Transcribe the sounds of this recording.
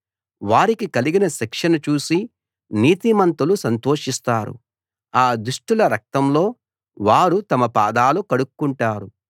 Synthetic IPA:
ʋaːɾikikɐliɡinɐʃɛkʂɐnɐt͡ʃuːsi | niːt̪imɐnt̪ulusɐnt̪o̞ːʂist̪aːɾṵ | aːd̪uʂʈilɐɾɐk̚t̪ɐmlo̞ː | ʋaːɾut̪ɐmɐpaːd̪aːlukɐɽukːuɳʈaːɾu

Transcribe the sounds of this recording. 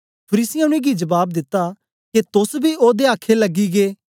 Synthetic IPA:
pʰəɾiːsɪjãʊñẽɡid͡ʒɐbaːb̚d̪ɪt̪ːa | ket̪ʊsbʱioːd̪eaːkʰːelɐɡːiɡeː

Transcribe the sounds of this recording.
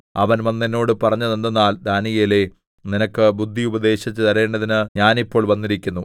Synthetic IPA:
ɐʋɐnʋɐnːenːo̞ːɽɨpɐrɐɲːunend̪ɐnːaːld̪aːnijele̞ | ninɐkːɨbud̪ʱːiubɐd̪e̞ːɕɐt͡ɕːɨt̪ɐɾe̞ːɳɖɐðinɨɲaːnipːo̞ːɭʋɐnːiɾikʲːunːu

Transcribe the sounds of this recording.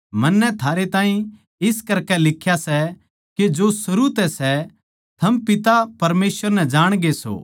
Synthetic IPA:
mɐnːɛt̪ʰaːɾet̪ãːɦĩ | ɪskɐɾkɛlɪkʰːjasɛ | ked͡ʒosɐɾut̪ɛsɛ | t̪ʰɐmpɪt̪apɐɾmeːsʋəɾnɛd͡ʒaːɽ̃ɡeso̰ː

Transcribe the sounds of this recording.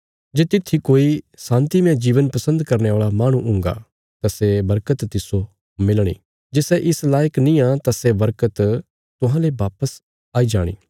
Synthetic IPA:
d͡ʒeːt̪ɪt̪ʰːikoːi | sãːnt̪imeãd͡ʒiːʋənpɐsə̃nd̪kɐɾneaːɭamaːɽ̃ũʔʊ̃ːŋɡa̰ | t̪asebɐɾkət̪ːɪso | mɪlɽ̃ḭː | d͡ʒesɛʔɪslaːjəknĩãt̪asebɐɾkət̪ | t̪ʊɦãlebaːpəs | aːid͡ʒaːɽ̃ḭː

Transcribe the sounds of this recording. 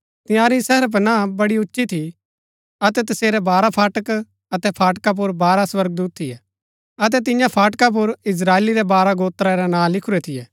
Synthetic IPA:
t̪ɪ̃jãːɾisɛɦəɾp̬ənabɐɽiʊtːʃit̪ʰi | ɐt̪ɛt̪ɐseːɾɛbaːɾapʰaːʈək | ɐt̪ɛpʰaːʈkap̬ʊɾbaːɾaswɐɾɡ̚d̪uːt̪̚t̪ʰːijɛ | ɐt̪̬ɛt̪̬ɪ̃jãpʰaːʈkap̬ʊɾɪs̬ɾaːeːliɾɛbaːɾaɡoːt̪ɾaɾɛnãːlɪkʰʊɾɛt̪ʰɪjɛː

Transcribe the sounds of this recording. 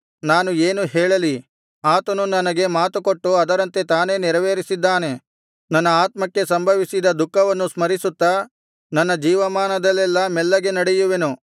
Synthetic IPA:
naːnueːnuɦɛːɭɐli | aːt̪ɐnunɐnɐɡe̞maːt̪ukoʈːuɐd̪ɐɾɐnt̪e̞t̪aːne̞ːniɾɐʋeːɾisid̪ːaːne̞ | nɐnːɐaːt̪mɐkːe̞sɐmbʱɐʋisid̪ɐd̪ukːɐʋɐnːusmɐɾisut̪ːɐ | nɐnːɐd͡ʒiːʋɐmaːnɐd̪ɐlːɛlːɐmɛlːɐɡe̞nɐɽejuʋe̞nu

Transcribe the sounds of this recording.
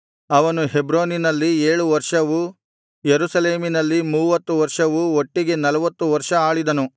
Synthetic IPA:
ɐʋɐnuɦebɾoːninɐlːieːɭuʋɐɾʂɐʋu | jeɾusɐle̞ːminɐlːimuːʋɐt̪ːuʋɐɾʂɐʋuoʈːiɡe̞nɐlɐʋɐt̪ːuʋɐɾʂɐaːɭid̪ɐnu

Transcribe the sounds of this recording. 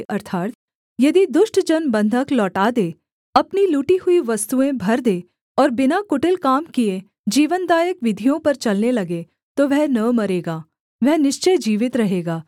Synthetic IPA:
ʔɐɾt̪ʰaːɾt̪ | jɐd̪id̪ʊʃʈd͡ʒɐnbɐ̃nd̪ʱəklɔːʈad̪eː | ɐpniluːʈiɦʊiʋɐst̪uẽbʱɐɾd̪eː | ɔːɾbɪnakʊʈɪlkaːmkie | d͡ʒiːʋənd̪aːjəkʋɪd̪ʱijõpɐɾt͡ʃɐlnelɐɡe | t̪oʋɛɦnɐʋmɐɾeːɡaː | ʋɛɦnɪʃt͡ʃed͡ʒiːʋɪt̪ɾɐɦeːɡaː

